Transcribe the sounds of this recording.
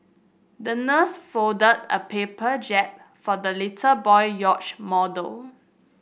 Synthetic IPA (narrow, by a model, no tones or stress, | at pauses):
dənəsfodədə̰pʰepəd͡ʒɛp̚ | fɔdəlitʰəbɔɪjɔt͡ʃmɔdəl